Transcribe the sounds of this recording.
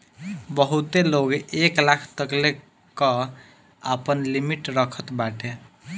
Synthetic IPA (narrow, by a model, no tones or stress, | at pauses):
bʌɦut̪eloɡeklakʰt̪əkle | kʌ | apənlimiʈɾʌkʰət̪baʈʰe